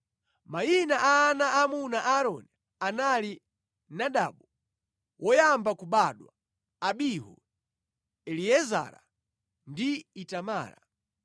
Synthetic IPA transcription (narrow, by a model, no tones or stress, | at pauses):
majinaʔaːnaʔːmunaʔaɾɔnɛ | anali | naɗa̰ɓu | wʔɔjambakuɓaɗwa | aɓiɦɔ̰ | ɛliɛza̰ɾa̰ | ndiitama̰ːɾa̰